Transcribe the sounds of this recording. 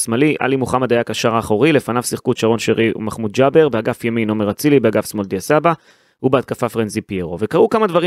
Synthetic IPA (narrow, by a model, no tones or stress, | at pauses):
smaliʔa̰limuχamad̪ajakaʃaʁaːχoʁile̞fanavsiχkut̪ʃaʁo̞nʃeʁiṵmaχmud̪d͡ʒabe̞ʁbeaɡafjamino̞meʁat͡silibeaɡafsmold̪iasaba | ubeat̪̚kafafʁenzipieʁo̞ve̞kaʁukamad̪vaʁi